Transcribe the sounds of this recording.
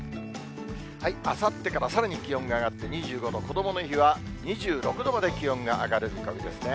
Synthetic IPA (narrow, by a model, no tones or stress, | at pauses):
haiasat̪ːe̞kaɾasaɾaɲ̟ʲikʲijõ̞ŋɡaːɡat̪ːe̞ɲ̟iʑɨːɡo̞d̪o̞ko̞d̪o̞mo̞no̞çiβaɲ̟iʑɨːɾo̞kɯ̟d̪o̞mad̪e̞kʲijõ̞ŋɡaʔaɡaɾɯ̟kaid̪e̞sɨne̞